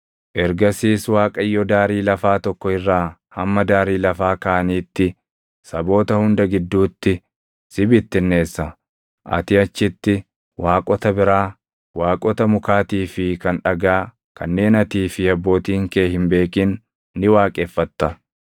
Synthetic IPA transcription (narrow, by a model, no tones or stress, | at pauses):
ʔɛɾɡɐsiːswaːkʼɐjːɔd̪aːɾiːlɐfaːt̪ɔkːɔɪrːaː | hɐmːɐd̪aːɾiːlɐfaːkɐʔɐniːt̪ːɪ | sɐbo̞ːt̪ɐhʊnd̪ɐɡɪd̪ːuːt̪ːɪ | sɪbɪt̪ːɪnːe̞ːsːɐ | ʔɐ̰t̪ɪɐt͡ʃːɪt̪ːɪ | waːkʼɔt̪ɐbɪɾaː | waːkʼɔt̪ɐmʊkaːt̪iːfɪkɐnᶑɐɡaː | kʰɐnːe̞ːnɐt̪iːfɪɐbːo̞ːt̪iːŋkeːhɪmbe̞ːkɪnː | ɪwaːkʼeːfːɐt̪ːɐ